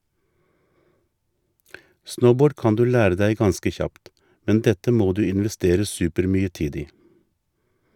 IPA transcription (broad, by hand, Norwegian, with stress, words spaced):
ˈsnəʊˌboːɖ ˈkɑn ˈdʉː ˈlæːɾə ˈdæɪ ˈɡɑnskə ˈçɑpt ˈmɛn ˈdɛtə ˈmoː ˈdʉː ɪnʋɛˈsteːɾə ˈsʉːpəɾˌmyːə ˈtiːd ˈiː